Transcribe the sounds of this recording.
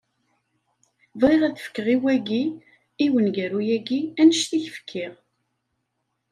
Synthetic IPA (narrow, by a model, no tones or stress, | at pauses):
vʁiʁæðəfə̥kːəʁiwæɡi | iwənɡæɾujæɡiænəʃθiçəfə̥kʰːɪʁ